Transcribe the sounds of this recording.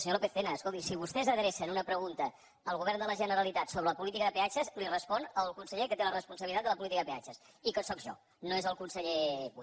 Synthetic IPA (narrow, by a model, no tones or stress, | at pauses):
səɲolopeθenəːskolˠt̪isiβust̪ɛzəðɾesənunəpɾəɣunt̪əː | lˠɣuβɛrnd̪ələʒənəɾəlit̪at̪soβɾələpulit̪̬ikəðəpeat͡ʃəzlirəspɔnəlˠkunsəʎekət̪elərəspunsəβilit̪ad̪ələp̬ulit̪ikəðəpea̰t͡ʃəs | ikəsɔkʒɔ̰ | noezəlˠkunsəʎeβu